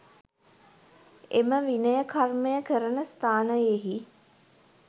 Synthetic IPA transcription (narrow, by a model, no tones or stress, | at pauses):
eməʋinəjəkʰarməjəkəɾənəst̪aːnəjeɦi